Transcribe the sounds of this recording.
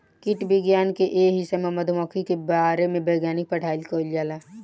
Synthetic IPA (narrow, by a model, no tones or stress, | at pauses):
kɪʈbɪɡjaːnkeʔeːɦɪsememɐd̪ʱmɔːkʰikebaːɾemẽbeːɡjaːnɪk̚pɐʈʰaːɪlkoːld͡ʒaːlaː